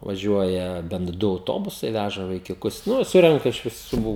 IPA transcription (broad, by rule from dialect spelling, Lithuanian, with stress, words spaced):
ʋɐˈʒʲuɔjɛ bʲɛnt ˈdʊ ɐʊˈtoːbʊsɐɪ ˈʋʲæʒɐ ʋɐɪkʲʊˈkʊs ˈnʊ ˈsʊrʲɛŋkɐ ɪʃ ʋʲɪˈsuː